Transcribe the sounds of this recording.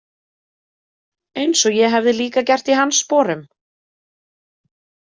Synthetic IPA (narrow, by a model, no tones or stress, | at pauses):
ejnsɔjɛɦavðɪliːkacɛr̥t̪iɦanːspɔːɾʏm